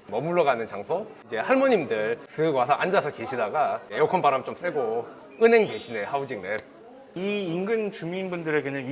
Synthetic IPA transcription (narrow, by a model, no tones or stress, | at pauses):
mʌmuɭːʌɡanɯnt͡ɕaŋsʰoid͡ʑe̞haɭmʌɲimdɯɭkɯɡwasʰʌʔand͡ʑasʰʌke̞ɕʰidaɡaejokʰʌnpaɾamt͡ɕoms͈eɡo | ɯnɦe̞ŋɡeɕʰinehaud͡ʑiŋne | iːŋɡɯnt͡ɕumiːnbundɯɾe̞ɡenɯŋ